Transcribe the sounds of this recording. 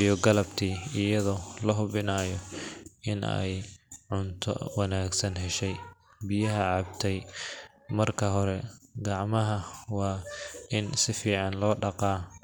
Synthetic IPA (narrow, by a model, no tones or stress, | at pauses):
ijɔɡɐlɐbt̪ʰiːɪjɐðɔːlɐɦʊβɪnaːjɔʔɪnʔɛ̰jʕʊnt̪ʰɔ̰wɑnaːɡsɐnɦɛʃɛj | bɪjɐɦɐʕɑb̚t̪ʰɛj | mɐrkʰɐɦɔɾɛɡɑʕmɐɦɐwɑːɪnsɪfiːʕɑnlɔːɖɑqɑː